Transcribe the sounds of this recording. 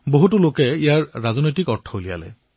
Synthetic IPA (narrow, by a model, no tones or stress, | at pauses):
boɦutulokɛijaɹːazɔnojtikɔɹtʰːɔolija̰lɛ̰